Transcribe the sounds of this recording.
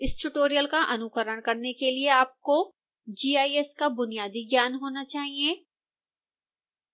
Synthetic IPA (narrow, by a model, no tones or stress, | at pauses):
ɪsʈʊʈoːɾijəlkaʔɐnʊkəɾəɽ̃kɐɾnekelieaːp̚ko | d͡ʒiːaːiɛskabʊnijaːd̪iɡjaːnɦoːnat͡ʃaːɦiẽː